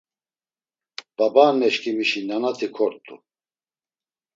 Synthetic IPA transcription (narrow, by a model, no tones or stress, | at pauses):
b̥abaːnɛʃkimiʃinanat̪ʰikʰɔɾt̪ʼṵ